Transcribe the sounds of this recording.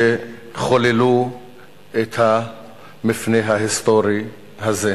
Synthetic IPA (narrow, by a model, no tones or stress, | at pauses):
eχolelu | etʰha | mifneɦaɦistoɾi | haze